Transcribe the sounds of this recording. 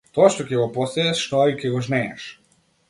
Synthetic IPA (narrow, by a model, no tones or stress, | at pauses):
t̪ɔaʃt̪ɔcʲɛɡɔpɔsɛɛʃʃt̪ɔaicʲɛɡɔʒnɛɛʃ